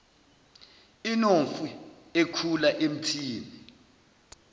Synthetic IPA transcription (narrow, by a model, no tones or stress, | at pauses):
inoɱfu | ekʰulaʔem̩tʰiːni